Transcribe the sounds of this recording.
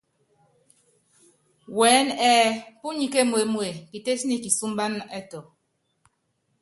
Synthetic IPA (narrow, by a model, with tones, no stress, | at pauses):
wɛ˨˦nɛː˦pu˦ɲi˨ke˦mwe˨mwe˨ki˨te˦si˦ni˦˨ki˨su˦m˦ba˦nɛ˦tɔ˨